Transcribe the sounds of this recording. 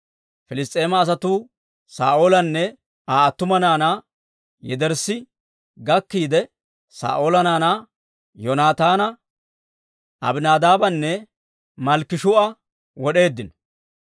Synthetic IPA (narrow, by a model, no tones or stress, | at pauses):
fɪlɪs̬t̪ʼe̞ːmɐːs̬ɐt̪uː | sa̰ːʔo̞ːlɐnːɛ | aːɐt̪ːʊmɐnaːnaː | jɛd̪ɛɾsɪ | ɡɐkːiːd̪ɛ | sa̰ːʔo̞ːlɐnaːnaː | jɔnaːt̪aːnɐ | ʔɐ̰bnaːd̪aːbɐnːɛ | mɐlkːɪʃʊɐ | wɔɗe̞ːd̪ːɪnɔ̥